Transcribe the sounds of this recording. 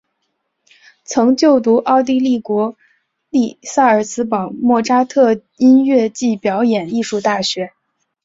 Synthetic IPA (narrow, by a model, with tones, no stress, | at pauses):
t͡sʰɤ˧˥ŋt͡ɕjo˥˩ʊt̪u˧˥ʔɑ˥˧ʊt̪̬i˥˧li˥˩kwɔ˧˥ | li˥˩sa˥˩ə˞˨˩sɹ̩˥pɑ˨˩ʊmwɔ˥˩ʈ͡ʂa˥t̪ʰɤ˥˧ | i˥nɥɛ˥˧t͡ɕi˥˩pjɑ˧˥ʊjɛ˨˩ni˥˧ʂu˥˧t̪a˥˩ɕɥɛ˧˥